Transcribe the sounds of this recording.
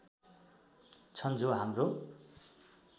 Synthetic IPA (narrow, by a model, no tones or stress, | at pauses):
t͡sʰʌnd͡zoɦamro